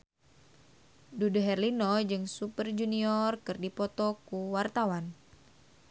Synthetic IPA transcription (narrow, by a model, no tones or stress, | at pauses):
dudoɦɛrlinɔd͡ʒɨŋsupərd͡ʒuniɔrkɨrdipɔt̪ɔkuwart̪awan